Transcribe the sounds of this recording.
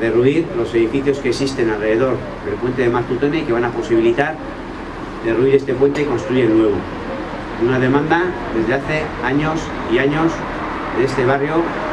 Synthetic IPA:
ðe̞ruiɾlo̞se̞ðifiθjo̞ske̞ksist̪e̞nalre̞ðe̞ðo̞ɾ | ðe̞lpwe̞nt̪e̞ðe̞maɾt̪ut̪o̞neike̞β̞anapo̞siβilit̪aɾ | d̪e̞ruiɾe̞st̪e̞pwe̞nt̪eko̞nst̪ɾuienwe̞βo | unaðe̞mãnd̪aðe̞zðe̞aθe̞aɲo̞s | iaɲo̞s | ðeest̪e̞β̞arjo

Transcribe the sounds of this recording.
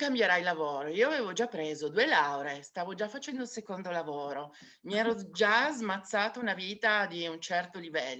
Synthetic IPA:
kambjeɾajlavoːɾoiːoaveːvod͡ʒapːɾeːzod̪uelawɾest̪aːvod͡ʒafat͡ʃɛnd̪osekond̪olavoːɾo | miɛːɾod͡ʒazmat̪sːaːt̪ounaviːt̪ad̪iunt͡ʃɛrt̪olivɛlːo

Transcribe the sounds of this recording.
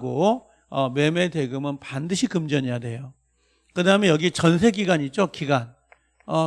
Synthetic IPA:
ɡo | ʌme̞me̞teɡɯmɯnpandɯɕʰikɯmd͡ʑʌɲejadwe̞jo | kɯdaɦɯmejʌɡit͡ɕʌnsʰe̞ɡiɡaɲit͡ɕ͈okiɡan | ʌ

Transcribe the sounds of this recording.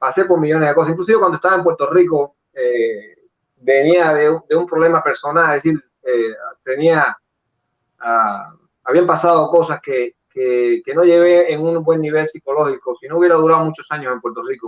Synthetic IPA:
pase̞po̞ɾmiʝo̞nezðekosasiŋklus̬iβekwand̪oest̪aβaempwe̞ɾt̪oriko | e | beniaðeud̪eumpɾoβle̞mape̞ɾso̞nalesil | et̪e̞nia | a | aβiampasaðoko̞saskekekeno̞ʝe̞ɣeːŋuŋbwe̞nːiβe̞lsiko̞lo̞xikosinouβje̞ɾaðuɾaðomut͡ʃosaɲose̞mpwe̞ɾt̪o̞riko

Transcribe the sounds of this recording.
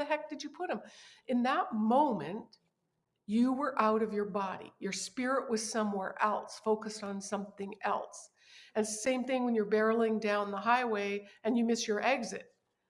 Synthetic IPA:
ɨɦɛk̚d̥ɨd͡ʒɨpʰʊɾ̚ɨ̃mʔɨ̃nðət̚mõʊ̃mɨ̃n | jɨwə˞ʔaʊɾʌvjə˞bɑɾḭjə˞spɪɹɪʔwʌz̥sʌ̃mwɛɹʔɛ̰lˠsfoʊkɨstn̩sʌ̃mθɪ̃ŋɛ̰lˠs | ɨ̃nsẽɪ̃mθɪ̃ŋwə̃njə˞bɛɹl̩ˠɪ̃ŋdãʊ̃nðəɦaɪweɪɨ̃njɨmɪst͡ʃə˞ʔɛɡzɨ̰t̚

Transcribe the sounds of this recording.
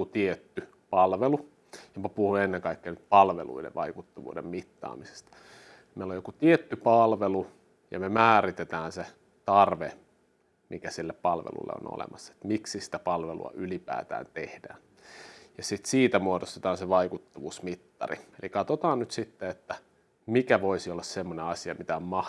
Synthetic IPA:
ut̪iet̪ːy | pɑlʋelu | jɑmɑpuhuenːeŋkɑikːenyt̪pɑlʋḛlṵidḛʋɑikut̪ːɑʋṵːdḛmmit̪ːɑ̰ːmise̥st̪ɑ̥ | meilojokut̪iet̪ːypɑlʋelu | jɑ̰memæːɾit̪et̪æːnse | t̪ɑrʋe | mikæsilːeppɑlʋḛlṵlːḛo̰no̰lḛmɑsːɑe̥t̪miksisi̥t̪æpɑlʋelṵɑ̰ylipæ̰ːt̪æ̰ːnt̪ehd̥æ̰ːn | jɑsit̪siːt̪æmuodost̪et̪ɑːnseʋɑikut̪ːɑʋuːsmit̪ːɑ̰rḭelikɑt̪ot̪ɑːnnyt̪sit̪ːeet̪ːæ | mikæʋoisiolːɑssemːoneɑsiɑmit̪æommɑh

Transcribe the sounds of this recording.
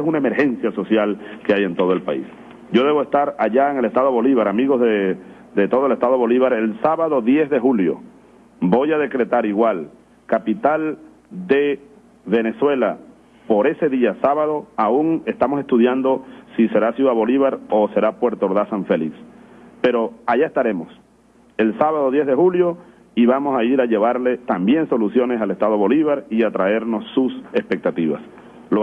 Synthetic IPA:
esunaeme̞ɾxe̞nsjaso̞sjalkeaje̞nt̪o̞ð̞o̞elpa̰ḭs | ɟ͡ʝo̞ðe̞βoe̞st̪aɾaʝaeŋe̞lest̪aðo̞βo̞liβaɾamiɣo̞zðe | d̪et̪o̞ðoe̞lest̪aðo̞βo̞liβaɾe̞lsaβaðo̞ðje̞zðe̞xuljo̞̰ | bo̞jað̞e̞kɾe̞t̪aɾiɣwal | kapit̪al | d̪e̞ | βe̞ne̞swe̞la | po̞ɾe̞se̞ðiasaβaðo̞auŋe̞st̪amose̞st̪uðjand̪o̞sise̞ɾasjuðaβo̞liβaɾose̞ɾapwe̞ɾt̪oɾðasaɱfelikspeɾo̞aʝaest̪aɾe̞mo̞s | e̞lsaβaðoðje̞zðexuljo̞ | iβamo̞saiɾaʝe̞βaɾlet̪ambje̞ŋso̞lusjo̞ne̞sale̞st̪að̞o̞βo̞liβ̞aɾiat̪ɾae̞ɾno̞sːuse̞spe̞k̚t̪at̪iβa̰s | lo

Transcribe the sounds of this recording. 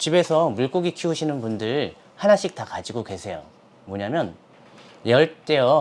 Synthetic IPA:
t͡ɕibe̞sʰʌmuɭk͈oɡikʰiuɕʰinɯnbundɯɾ | hanaɕʰik̚takad͡ʑiɡokwe̞sʰe̞jo̰ | mʌɲamjʌn | jʌɭt͈e̞ʌ

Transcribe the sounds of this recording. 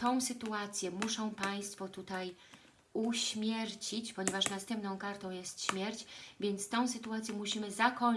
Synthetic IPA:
t̪ɔ̃w̃sɘt̪uat̪sʲjɛmuʂɔ̃w̃paj̃st̪fɔt̪ut̪aj | uɕmʲjɛɾt͡ɕit͡ɕpɔɲɛvaʂnast̪ɛ̃mpnɔ̃w̃kaɾt̪ɔ̃w̃jɛst̪ɕmʲjɛɾt͡ɕvʲjɛnt̪st̪ɔ̃w̃sɘt̪uat̪sʲjɛmuɕimɘzakɔ

